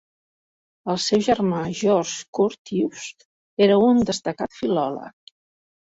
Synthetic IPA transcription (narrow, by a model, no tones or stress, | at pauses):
əlˠsɛwʒərmaʒɔɾʒkuɾt̪iust̪ | eɾəund̪əst̪əkat̪filɔlə̰k̚